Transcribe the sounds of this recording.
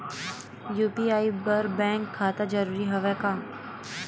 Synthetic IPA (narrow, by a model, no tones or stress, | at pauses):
juːpiaːibɐɾbɛ̃ːŋkʰːaːt̪ad͡ʒɐɾuːɾiɦɐʋɛkãː